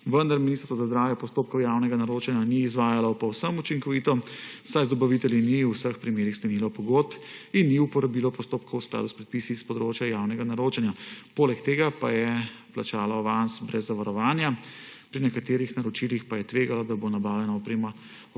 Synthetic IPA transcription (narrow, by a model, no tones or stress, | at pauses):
ʋənd̪aɾminist̪əɾsɔazazd̪ɾaːwjɛpɔst̪op̚kɔwjaːwnɛɡanaɾot͡ʃɛnjaniːzʋaːjalɔpɔwsəmut͡ʃiŋkɔʋit̪ɔsajzd̪ɔbaʋit̪ɛljiniwsəxpɾimeːɾixst̪ɛnilɔpɔɡot̪̚pinːiupɔɾabilɔpɔst̪op̚kɔwskla̰ːd̪uspɾɛt̪̚piːsispɔd̪ɾot͡ʃjajawnɛɡanaɾoːt͡ʃɛnjapoːlɛkt̪eːɡapajɛplat͡ʃaːlaɔʋansbɾɛzːaʋaɾɔʋaːnjapɾinɛkat̪eːɾixnaɾɔt͡ʃilixpajɛt̪ʋeːɡalɔd̪abonabaːwlɛnaɔpɾeːma